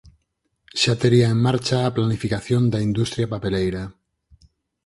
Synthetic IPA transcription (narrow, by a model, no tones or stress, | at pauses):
ʃat̪eɾiaemːaɾt͡ʃaːplanifikaθjo̞nd̪aind̪ust̪ɾjapape̞lejɾa